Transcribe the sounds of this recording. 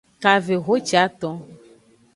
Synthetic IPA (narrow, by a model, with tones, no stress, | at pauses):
ka˨ve˨ɦo˦t͡ʃi˨˦a˦t̪ɔ̃˦